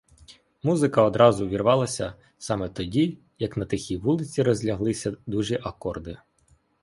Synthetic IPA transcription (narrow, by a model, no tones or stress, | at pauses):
muzɪkɐɔd̪ɾɑzʊʋʲirʋɑlˠɐsʲɐ | sɑmɛt̪ɔdʲi | jɐknɐt̪ɪxʲiʋulˠɪt͡sʲiɾɔzʲlʲɐɦlˠɪsʲɐd̪uʒiʔɐkɔrd̪ɪ